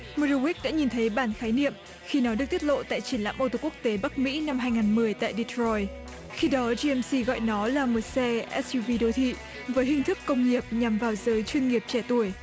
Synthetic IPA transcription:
mə˧ɾu˧wi˦˥k̚ɗa̰ː˧˥ɲi˨˩nt̪ʰə˨˦jɓaː˧˩nxaː˨˦jnḭ˧˨əm | xi˧nɔ˨˦ɗɨ˨˩k̚t̪i˦˥t̚lo̰˧˨t̪a̰ː˧˨jt͡ɕi˧˩ənla̰ː˧˥mʔo˧˩t̪o˧˩kək̚t̪e˨˦ɓa˦˥k̚mḭ˧˥na˧mɦaː˧jŋaː˨˩nmɨ˨˩əjt̪a̰ː˧˨jɗi˧t̪ʰɹɔ˧j | xi˧ɗɔ˨˦zi˧ɛ˧msi˧ɣɔ̰˧˨jnɔ˨˦laː˨˩mo˨˩t̚sɛ˧ʔɛ˦˥su˧vi˧ɗo˨˦t̪ʰḭ˧˨ | vəː˨˦jɦï˨˩ŋ̟t̪ʰɨ˦˥kːə˧wŋ͡mŋi˨˩əp̚ɲa˨˩mvaː˨˩wzəː˨˦jt͡ɕwi˧nŋi˨˩əp̚t͡ɕɛ˧˩t̪u˧˩əj

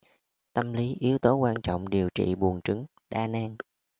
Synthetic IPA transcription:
t̪ə˧mli˨˦ʔi˨˦əwt̪o˨˦kwaː˧nt͡ɕɔ̰˧˨wŋ͡mɗi˨˩əwt͡ɕḭ˧˨ɓu˨˩ənt͡ɕɨ˨˦ŋ | ɗaː˧naː˧ŋ

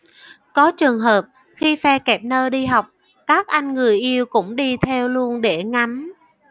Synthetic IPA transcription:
kɔ˨˦t͡ɕɨ˨˩əŋɦəː˨˩p̚ | xi˧fɛ˧kɛ˨˩p̚nəː˧ɗi˧ɦa˨˩wk͡p̚ | kaː˦˥k̚ʔa˧jŋ̟ŋɨ˨˩əjʔi˧əwkʊ̰˧˥ŋ͡mɗi˧t̪ʰɛ˧wlu˧ənɗe˧˩ŋa˨˦m

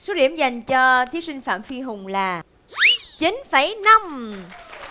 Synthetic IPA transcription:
so˨˦ɗi˧˩əmza˨˩jŋ̟t͡ɕɔ˧t̪ʰi˨˦əsï˧ŋ̟fa̰ː˧˨mfi˧ɦʊ˨˩ŋ͡mlaː˨˩ | t͡ɕi˨˦nfə˧˩jna˧m

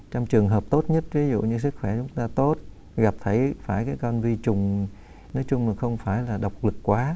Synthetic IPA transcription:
t͡ɕwŋ͡mt͡ɕɨ˨˩əŋɦəː˨˩p̚t̪o˦˥t̚ɲə˦˥t̚vi˨˦zṵ˧˨ɲɨ˧s̬ɨ˦˥k̚xwɛ˧˩t͡ɕʊ˨˦ŋ͡mt̪aː˧t̪o˦˥t̚ | ɣa˨˩p̚t̪ʰə˨˦jfaː˧˩jkaː˨˦jkɔ˧nzi˧t͡ɕʊ˨˩ŋ͡m | nɔ˨˦jt͡ɕʊ˧ŋ͡mmaː˨˩xə˧wŋ͡mfaː˧˩jlaː˨˩ɗə˨˩wk͡p̚lɨ˨˩kkːwaː˨˦

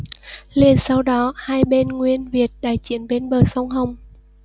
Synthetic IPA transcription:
le˧nsa˧wɗɔ˨˦haː˧jɓe˧nŋwi˧ənvi˨˩ət̚ɗaː˧˩jt͡ɕḭ˧˨ənɓe˧nɓəː˨˩sə˧wŋ͡mɦə˧˩wŋ͡m

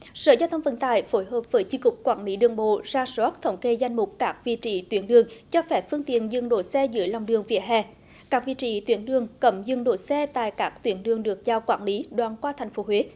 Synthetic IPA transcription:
sə̰ː˧˩zaː˧wt̪ʰə˧wŋ͡mvə̰˧˨˩nt̪a̰ː˧˨jfo˨˦jɦəː˨˩p̚vəː˨˦jt͡ɕi˧kʊ˨˩k͡p̚kwaː˧˩nli˨˦ɗɨ˨˩əŋɓo̰˧˨zaː˧swɔ˦˥t̚t̪ʰə˨˦wŋ͡mke˧za˧jŋ̟mʊ˨˩k͡p̚kaː˦˥k̚vḭ˧˨t͡ɕḭ˧˩t̪wi˨˦ənɗɨ˨˩əŋt͡ɕɔ˧fɛ˧˩fɨ˧əŋt̪ḭ˧˨ənzɨ˧˩ŋɗo˧˩sɛ˧zɨ̰˧˦əjla˨wŋ͡mɗɨ˨˩əŋvḭ˧˨əɦɛ˧˩ | kaː˦˥k̚vḭ˧˨t͡ɕḭ˧˩t̪wi˨˦ənɗɨ˨əŋkə˧˩mzɨ˧˩ŋɗo̰˧˨˩sɛ˧t̪a̰ː˧˨jkaː˦˥k̚t̪wi˨˦ənɗɨ˨˩əŋɗɨ˨˩ək̚zaː˧wkwaː˧˩nli˨˦ɗwaː˨nkwaː˧t̪ʰa˨˩jŋ̟fo˨˦ɦwe˨˦˥

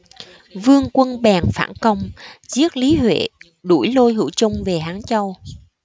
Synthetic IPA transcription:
vɨ˧əŋkwə˧nɓɛː˨˩ŋfa̰ː˧˩nkə˧wŋ͡mzi˦˥ət̚li˨˦hwḛ˧˨ | ɗu˧˩jlo˧jɦɨ̰˧˩t͡ɕʊ˧ŋ͡mve˨˩ɦaː˨˦ŋt͡ɕə˧w

